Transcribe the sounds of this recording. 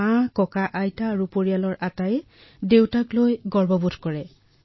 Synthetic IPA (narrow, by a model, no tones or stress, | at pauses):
ãkɔkaʔajtaːɹupoɹijalɔɹʔatajɛ | dewtaklojɡɔɹbɔbutʰkɔɹɛ